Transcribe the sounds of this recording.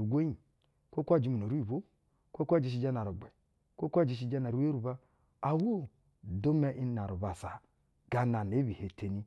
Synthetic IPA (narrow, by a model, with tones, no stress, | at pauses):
u˨ɡʷe˦i˨ | kʷo˦kʷa˦˨d͡ʒi˦mu˨n˨o˨ɾu˦i˨βo˦ | kʷo˦kʷa˦˨d͡ʒi˨ʃ̬i˨˦d͡ʒa˦na˨ɾu˨ɡ͡be˨ | kʷo˦kʷa˦d͡ʒi˨ʃ̬i˨d͡ʒa˦na˨ɾu˨˦we˦ɾu˨ba˦ | a˨wo˦˨ | do˦me˦ʔi˦na˨ɾu˨ba˨sa˨ | ɡa˨na˨n˨e˨˦bi˨he˨te˨˦ni˦